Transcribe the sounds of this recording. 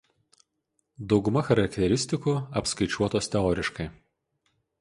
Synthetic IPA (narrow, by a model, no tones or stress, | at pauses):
d̪ɒʊɡʊmɐxɐɾɐkʲt̪ʲɛɾʲɪsʲt̪ʲɪkuːɐpskɐɪt͡ʃʲuɔt̪oːst̪ʲɛɔːɾʲɪʃkɐɪ